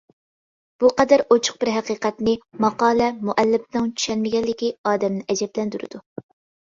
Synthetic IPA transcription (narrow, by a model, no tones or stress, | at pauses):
b̥uqɑd̪æɾot͡ʃʰʊ̥q̚b̥ɪɾɦæqiːqɛt̪nɪmɑqɑːlɛmuʔɛlːɪpnɨŋt͡ʃʰy̥ʃɛnmɪɡʲɛlːɪkʲiɑːd̪ɛmnɪʔɛd͡ʒɛblɛnd̪yɾɨ̰d̪̥u